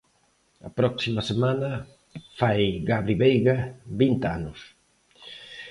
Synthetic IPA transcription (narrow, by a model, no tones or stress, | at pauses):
ɐ̰pɾɔksimɐsemãnɐ | fajɣaβɾiβejɣaβint̪anʊs